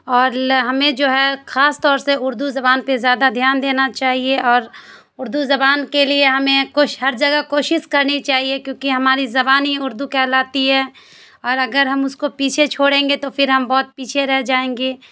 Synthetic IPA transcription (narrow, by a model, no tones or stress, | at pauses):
ɔːɾɦɐmẽd͡ʒoːɦɛxaːst̪ɔːɾseʊɾd̪uzɐbaːnpezjaːd̪ad̪ʱjaːnd̪eːnat͡ʃaːɦieɔːɾ | ʊɾd̪uzɐbaːnkelieɦɐmẽkoːʃɦɐɾd͡ʒɐɡakoːʃɪʃkɐɾnit͡ʃaːɦiekjõːkiɦɐmaːɾizɐbaːnɦiʊɾd̪ukɛːlaːt̪iɦɛː | ɔːɾɐɡəɾɦɐmʊskopiːt͡ʃʰet͡ʃʰoːɽẽːŋɡet̪ofɪɾɦɐmbɔːt̪̚piːt͡ʃʰeɾɛɦd͡ʒaːẽːŋɡeː